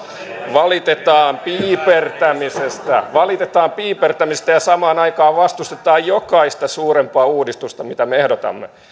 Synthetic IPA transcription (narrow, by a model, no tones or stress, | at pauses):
ʋɑlit̪et̪ɑːmpiːpert̪æmisest̪æʋɑlit̪et̪ɑːmpiːpert̪æmist̪æjɑsɑmɑːnɑikɑːʋʋɑst̪ust̪et̪ɑːjjokɑist̪ɑsuːrempɑːuːdist̪ust̪ɑmit̪æmeehdot̪ɑ̰mːe